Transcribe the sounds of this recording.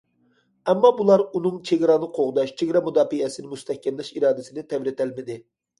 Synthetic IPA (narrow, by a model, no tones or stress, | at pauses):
ɛmːɑbulˠɑɾunɨŋt͡ʃʰeɡʲɾɑnɨqʰoʁd̪ɑʃt͡ʃʰeɡʲɾɑmud̪ɑːfijɛsɪnɪmust̪ʰɛhkʲʰːɛmlɛʃiɾɑːd̪ɪsɪnɪt̪ʰɛvɾɪt̪ʰælmɪd̪ɪ